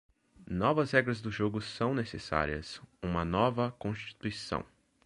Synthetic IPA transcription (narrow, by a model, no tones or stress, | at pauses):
nɔvɐzhɛɡɾɐzd̪ʊʒoɡʊsɐ̃w̃nesḛsa̰ɾiɐ̰sũmɐnɔvɐkõst͡ʃi̥t̪uisɐ̰̃w̃